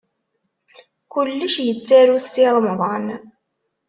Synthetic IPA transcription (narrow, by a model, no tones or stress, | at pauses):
kʊlːəʃjət͡sːæɾuθiðˤmðˤɑn